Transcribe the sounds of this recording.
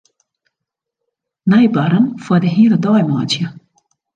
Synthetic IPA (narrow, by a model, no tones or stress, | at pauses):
najbaɾənfwadəɦiːɾədɔjma̰ːtjə